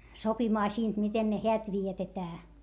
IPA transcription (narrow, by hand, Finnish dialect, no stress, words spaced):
sopimɑː siːnt miten ne heæt ʋietetæː